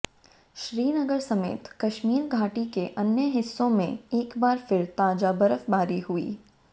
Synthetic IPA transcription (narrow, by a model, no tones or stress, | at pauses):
ʃɾiːnɐɡəɾsɐmḛːt̪kɐʃmiːɾɡʱaːʈikeʔɐnjəɦɪsːõmḛ̃eːkbaːɾfɪɾt̪aːd͡ʒabɐɾəfbaːɾiɦuḭː